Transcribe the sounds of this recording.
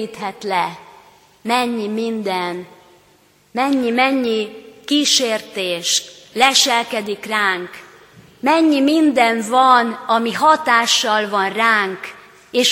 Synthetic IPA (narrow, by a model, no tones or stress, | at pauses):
it̪ɦɛt̪lɛ | mɛɲːimind̪ɛn | mɛɲːimɛɲːikiːʃeːrt̪eːʃlɛʃɛlkɛd̪ikraːŋk | mɛɲːimind̪ɛɱvɒnɒmiɦɒt̪aːʃːɒlvɒnraːŋk | eːʃ